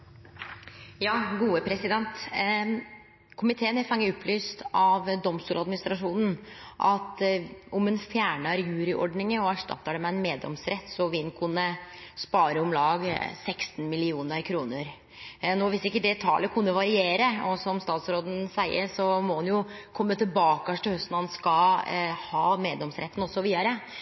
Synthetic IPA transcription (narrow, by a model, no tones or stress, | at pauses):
jɑːɡuːəpʰɾɛsɪd̪ɛnt̪ | kʰʊmɪt̪ʰeːənɛfɑŋːəʊpːlyːst̪ɑʋd̪ɔmst̪uːlɑd̪mɪnɪst̪ɾɑʂuːnn̩ʔɑt̪ʊmɛnfjæːɳəɾjʉːɾɪʔɔ̰ɖnɪŋəɔæʂʈɑ̰t̪ːəɖ̪ɛmɛɛnmeːd̪ɔ̰msɾɛt̪ːsɔʋɪnkʰʉnːəspɑːɾəɔmlɑːɡsɛkst̪n̩mɪlɪuːnəɾkʰɾuːnəɾ | noːʋɪsɪkːəd̪ɛt̪ʰɑ̰ːləkʰʉnːəʋɑɾɪeːɾəɔsɔmst̪ɑːt̪sɾoːd̪n̩sæɪə̰ɾʂɔmɔhɑnjʊkʰɔmːət̪ʰɪlbɑːkəɑʂʈɪhœst̪nɑnskɑhɑːmeːd̪lɔmsɾɛt̪ːn̩ɔsːɔʋiːd̪ɑɾə